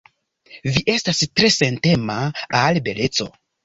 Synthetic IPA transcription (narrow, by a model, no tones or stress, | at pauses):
viʔe̞stastɾe̞se̞nte̞maalbe̞le̞t͡so̞̰